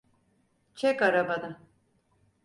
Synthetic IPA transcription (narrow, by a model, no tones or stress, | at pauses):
t͡ʃʰɛkaɾabad̪a